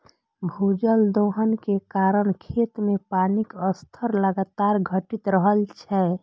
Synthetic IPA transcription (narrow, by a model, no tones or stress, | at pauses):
bʱud͡ʒəld̪oɦənkekaɾəɳkʰet̪mepanikəst̪ʰəɾləɡat̪aɾɡʱəʈit̪ɾəɦəlt͡ʃʰɛ